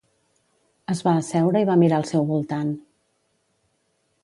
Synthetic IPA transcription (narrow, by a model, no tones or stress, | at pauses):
əzβaːsɛwɾəiβ̞amiɾaəlˠsɛwβulˠt̪an